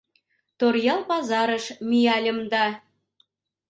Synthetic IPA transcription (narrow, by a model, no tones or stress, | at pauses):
t̪orjɑlˠpɑzɑɾə̆ʃmijɑlʲə̆md̪ɑ